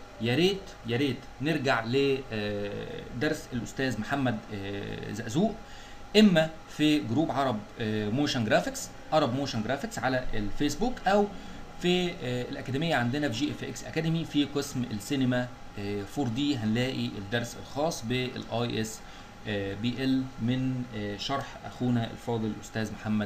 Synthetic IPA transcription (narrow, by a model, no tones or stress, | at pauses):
jæɾeːt̪ | jæɾeːt̪neɾɡaʕle | d̪ɑɾˤselʔʊst̪æːzmħamːæd̪ | zæʔzuːʔ | ʔemːæ | fiɡɾuːbʕɑɾˤɑb | moːʃænɡɾæːfeks | ʕɑɾˤɑbmoːʃænɡɾæːfeksʕalæʔelfeːsbuːkʔæw | fielʔækæd̪emejːæʕand̪enæbʒiːʔefʔeksʔæ̰kæd̪emifiqesmʔḛlsinemæ | foɾd̪iːɦænlæːʔiʔed̪ːɑɾˤselxɑːsˤːbeḛlʔɑjʔes | biʔelmenʃɑɾˤħʔæ̰xuːnæʔḛlfɑːd̪ˤellʔost̪æːzmoħamːæd̪